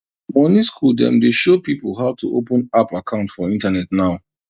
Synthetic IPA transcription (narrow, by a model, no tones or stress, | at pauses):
mɔniskʰuldɛ̰̃mdeʃopipəlˠɦaʊtʰuʔopə̃napakʰãʊ̃ntfɔĩntanɛtnaʊ